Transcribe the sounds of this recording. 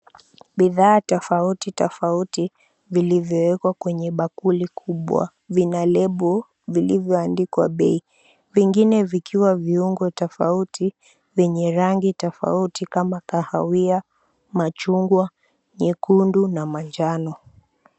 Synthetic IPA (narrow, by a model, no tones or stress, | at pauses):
ɓiðaːtɔfautitɔfauti | vilivjɔwɛkwakwɛɲɛɓakulikʰuɓwa̰ | vinalɛɓɔ | vilivjɔandikwa̰ɓɛi | viŋɡinɛvikʰiwaviuŋɡɔtɔfautʰi | vɛɲɛɾaŋɡitɔfa̰utikamakahawia | mat͡ʃuŋɡwa | ɲikundunamand͡ʒanɔ